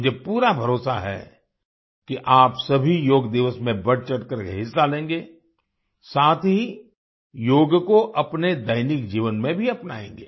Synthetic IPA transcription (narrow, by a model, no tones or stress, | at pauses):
d͡ʒepuːɾabʱɐɾoːsaɦɛ̰ | kiʔaːpsɐbʱijoːɡd̪ɪʋəsmẽbɐɽt͡ʃɐʈkəɾeɦɪsːalẽːŋɡeː | saːt̪ʰɦi | joːɡkoʔɐpned̪ɐɪnɪkd͡ʒiːʋənmẽbʱiɐpnaːḛ̃ːŋ̆ɡeː